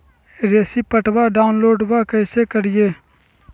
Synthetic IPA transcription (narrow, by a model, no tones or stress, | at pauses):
ɾeːsiːpəʈbaːɖaːʊnloːɖbaːkəjseːkəɾɪjeː